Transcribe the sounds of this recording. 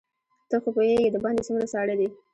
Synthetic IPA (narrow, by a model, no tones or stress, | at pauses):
t̪əxopoheɡed̪əbɑnd̪esumɡɾasɑɽəd̪i